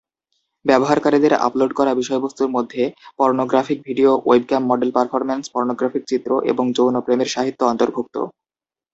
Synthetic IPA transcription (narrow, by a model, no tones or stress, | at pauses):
bɛboɦaɾkaɾid̪eɾa̰ploɖkɔɾabiʃɔebost̪uɾmod̪ʱːepɔɾnoɡɾafik̚bʱiɖioejb̚kampmɔɖelpaɾfʰɔɾmenspɔɾnoɡɾafik̚t͡ɕit̪ːɾoʔḛboŋd͡ʑownopɾemeɾʃaɦit̪ːoɔnt̪oɾbʱuk̚t̪o̰